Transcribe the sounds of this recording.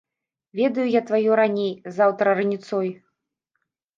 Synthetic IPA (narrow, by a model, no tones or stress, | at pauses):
vʲɛd̪ɐjujat̪vajuɾanʲejzawt̪ɾɐɾɨnʲit̪sɔj